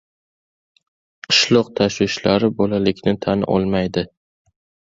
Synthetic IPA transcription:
qʰɨ̥ʃlˠɒqt̪ʰaʃwɪʃlaɾɪbolalɪkʲnɪt̪ʰanʔɒ̰lˠmajd̪ɪ

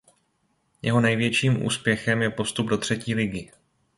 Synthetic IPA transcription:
jɛɦo̞nɛjvjɛt͡ʃiːmʔṵːspjɛxɛmjɛpo̞st̪ub̚do̞t̪r̝̥ɛciːlɪɡɪ

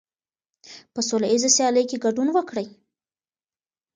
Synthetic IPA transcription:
pəsolaizasjɑləjkeɡaɖunwəkɽəj

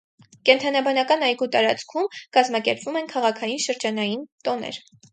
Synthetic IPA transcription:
kɛnt̪ʰɑnɑbɑnɑkɑnɑjɡut̪ɑɾɑt͡skʰumkɑzmɑkɛɾpvumɛnkʰɑʁɑkʰɑjinʃəɾd͡ʒɑnɑjint̪ɔnɛ̰ɾ

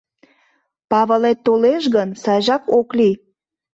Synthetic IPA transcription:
pɑβəlet̪ːoleʃɣənsɑjʒɑkokli

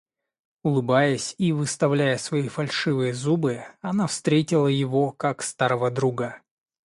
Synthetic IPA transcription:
ʊlˠɨbajəsʲivɨst̪ɐvlʲæjəsvɐifɐlʲʂɨvɨjəzubɨɐnafst̪ɾʲetʲɪlˠəjɪvokakst̪aɾəvəd̪ɾuɡə

